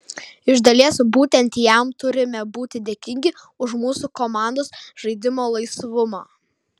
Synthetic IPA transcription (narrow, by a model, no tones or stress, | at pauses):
ɪʒd̪ɐlʲiɛsbuːt̪ʲɛnʲˑt̪ʲjɛmt̪ʊɾʲɪmʲɛbuːt̪ʲɪd̪ʲeːkʲɪŋʲɡʲɪ | ʊʃmuːsuːkoːmɑˑnd̪oːsʒɐɪd̪ʲɪmoːlˠɐɪsʋʊmo̰ː